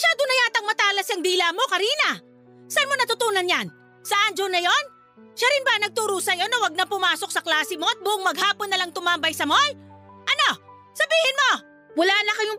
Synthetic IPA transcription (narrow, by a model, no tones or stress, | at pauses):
mʃaːd̪ʊnɐjaːt̪ɐŋmɐt̪aːlɐsɐŋd̪iːlamo̞kɐɾiːnɐ | sɐʔɐnmo̞nɐt̪ʊt̪uːnɐnjan | sɐʔand͡ʒonɐjo̞n | ʃaɾɪnbɐnɐɡ̚t̪uɾuːsɐjonɐwɐɡ̚nɐpʊmaːso̞k̚sɐklaːsɪmo̞ɐt̪̚bʊʔʊŋmɐɡhaːponːɐlaŋt̪ʊmambɐjsɐmojʔɐno̞ | sɐbiːhɪnmo̞ | wɐlaːnɐkɐjo